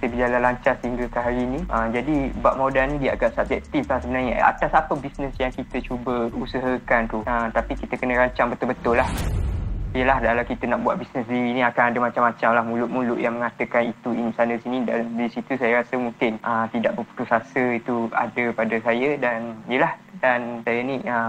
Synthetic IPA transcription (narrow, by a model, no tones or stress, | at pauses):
səbəd͡ʒalanlaɲt͡ʃarsəhiŋɡəkaɦaɾinĩʔəd͡ʒadibaʔ̚modanĩdiaɡaʔsab̚d͡ʒɛk̚t̪iflahsəbənarɲə̰ʔa̰t̪asapəbisnəsjaŋkit̪ət͡ʃubəusəɦəkant̪uəmt̪apikit̪əkənə̃ɾaɲt͡ʃaŋbət̪ʊlbət̪ʊlːah | ijəlahdalakit̪ənaʔbua̰ʔ̚bisnəsdiɾinĩakanadəmat͡ʃamːat͡ʃamlahmũlʊʔ̪̚mũlʊʔjaŋmə̃ŋat̪əkanit̪uinisanəsinĩdandisit̪usajaɾasəmuŋkɪnʔəmt̪idaʔbəpu̥t̪usasəit̪ua̰dəpadəsajədanjəlahdansajənĩʔə